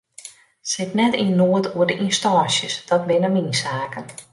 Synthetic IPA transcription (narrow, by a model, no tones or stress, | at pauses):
sɪtnɛtinoətʰuərdəʔinstɔːsjəsd̥ɔt̚bɪnaminsaːkən